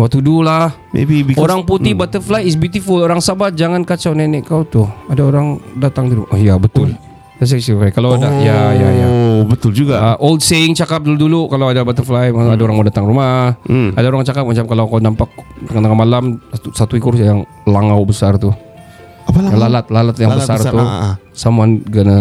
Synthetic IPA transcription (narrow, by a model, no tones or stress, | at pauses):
mat̪udulah | ḛbiioɾaŋput̪ibat̪ərflajɪs̬but̪ifuloɾaŋsabat̪̚d͡ʒaŋankat͡ʃawnɛnɛʔkawt̪ʊhadaoɾaŋdat̪aŋduduʔɔhjabət̪ʊl | t̪as̬asikajkaladajajajabət̪ʊld͡ʒuɡaʔoldseɪŋt͡ʃakap̚duludulukalawadabat̪əflajmaadaoɾaŋmadat̪aŋrumahadaoɾaŋt͡ʃakap̚mat͡ʃamkalawkawnampak̚t̪əŋant̪əŋanmalamt̪usat̪uikʊrjaŋ | laŋawbəsart̪u | aaalalat̪̚lalat̪̚jaŋbəsaru | samanɡəna